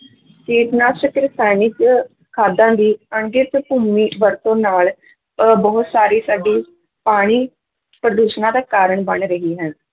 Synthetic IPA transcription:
keːt̪naːsəkɾɪst̪aːniːt͡ʃ | kʰaːd̪ãːd̪iːəɳɡɪt̪puːmiːʋəɾt̪õːnaːl | bɔːʊt̪saːɾiːsaːɖiː | paːɽ̃iː | pɾəd̪uːʃnãːd̪aːkaːɾəɳbəɳɾəɦiːɦɛn

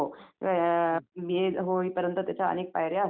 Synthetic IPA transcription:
o | mieɦoipəɾjənt̪ət̪jat͡ɕʰaə̰neːk̚pajɾjas

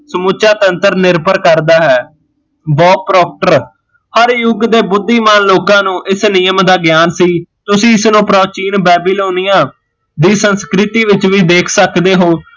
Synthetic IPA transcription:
səmuːt͡ʃaːt̪ənt̪əɾnɪɾpəɾkəɾd̪aːɦɛː | bɔːpɾɔːk̚ʈəɾ | həɾjʊɡd̪eːbʊd̪ːiːmaːnloːkãːnũːʔɪsnɪjəmd̪aːɡɪjaːnsiːt̪ʊsĩːɪsnũːpɾoːt͡ʃiːnbɛːbiloːnijãː | d̪iːsənskɾɪt̪iːʋɪt͡ʃʋiːd̪eːkʰsəkd̪eːɦoː

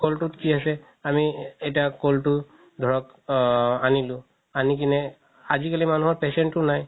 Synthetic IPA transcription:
koltutkiasɛ | amiɛjtakoltʊ | dʱɔɹɔk | anilʊ̃ | anikinɛ | azikalimanuɦɔɹpɛsɛntːʊnaj

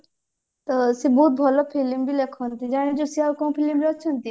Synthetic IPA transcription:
t̪ɔsebɔɦut̪̚bʱɔlɔpʰilimbilekʰɔnt̪id͡ʒaɽ̃id͡ʒusialkɔ̃ũpʰilimɾat͡ʃʰɔnt̪i

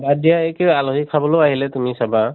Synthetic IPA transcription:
badijaɛkealoɦikʰabɔloaɦilɛtumisaba

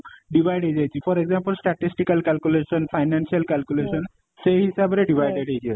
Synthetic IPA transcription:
ɖibʱajɖʱɦejd͡ʒajt͡ʃʰipʰɔɾeɡzampəlsʈaʈisʈikalkalkulesɔnpʰajnansialkalkulesɔn | seɦisabɔɾeɖibʱajɖeʈɦejkia

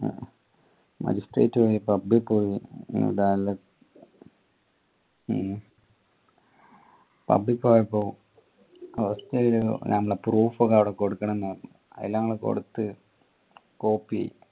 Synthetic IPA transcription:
mɐ̰d͡ʑisʈrḛːtːɨpoːjipɐbːipːoːjinṵɽaːlːɐ | pɐ̰bːipːoːjɐpːoː | ɐʋɐst̪ɐilṵnɐmːɐɭepruːfoɣɐɐʋiɽekoɽukːɐɳɐnːɐ | ɐ̰ðilːɐŋːɐɭeko̞̰ɽut̪ːɨ | koːpːiɐ̰jḭ

